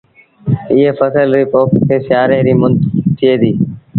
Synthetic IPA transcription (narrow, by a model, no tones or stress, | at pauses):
ɪːeːfəsəlɾɪpoːʈkʰeːsjaːɾeːɾiːmʊnd̪t̪ʰːɪeːd̪iː